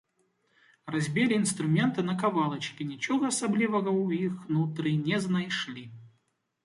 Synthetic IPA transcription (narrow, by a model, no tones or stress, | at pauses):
rɐzʲbʲelʲɪɪnst̪ɾʊmʲe̞nt̪ɨnɐkɐvalˠət͡ɕkʲɪnʲɪt͡ɕoɣəɐsɐblʲivəɣəʊixnʊt̪ɾɨnʲeznɐjʂlʲi